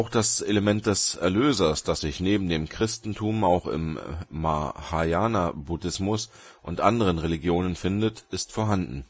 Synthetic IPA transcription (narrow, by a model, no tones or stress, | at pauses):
ʔaʊxd̥aseləmɛnt̚d̥ɛsʔɛɐløːzɐsd̥asz̥ɪçneːbm̩deːmkʁ̥ɪstn̩tʰuːmaʊxɪ̰mːa̰hajaːnabudɪsmʊs | ʔʊntʔandəʁ̞ənʁeliɡjoːnənfɪndətɪstfɔːɐɦandn̩